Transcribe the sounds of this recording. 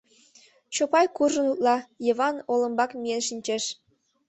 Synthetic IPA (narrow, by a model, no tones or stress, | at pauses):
t͡ɕopɑjkuʒɤ̆nut̪lˠɑjɤ̆βɑnolˠɤ̆mbɑkmʲijenʃinʲt͡ɕeʃ